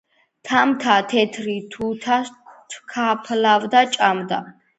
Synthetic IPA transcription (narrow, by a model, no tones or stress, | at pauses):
t̪ʰamt̪ʰat̪ʰɛt̪ʰɾit̪ʰut̪ʰaskʰt̪ʰkʰapʰlavd̪at͡ʃʼamd̪a̰